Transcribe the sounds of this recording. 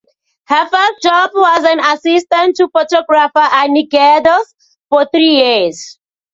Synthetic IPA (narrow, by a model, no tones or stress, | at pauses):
həfəd͡ʒɔbwɔzãnasistə̃ntʰːufɔtɔɡɹafəʔanikɛdəs | fɔθɹiːjiz̥